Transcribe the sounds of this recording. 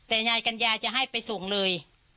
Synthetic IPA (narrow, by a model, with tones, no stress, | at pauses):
t̪ɛː˨˩ɲaː˧jka˧njaː˧t͡ɕa˨˩ʔɦa˥˩jpa˧jsoː˨˩˦ŋlɤː˧j